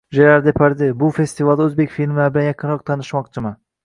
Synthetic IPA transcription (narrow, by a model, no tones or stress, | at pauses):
ʒeɾaɾd̪epʰaɾd̪ɪbʊfest̪ivalˠd̪aɵzbekʲfilʲmlabɪlanjɑqʰɨɯnɾɒq̚t̪ʰɑnɪʃmɒqt͡ʃʰɪma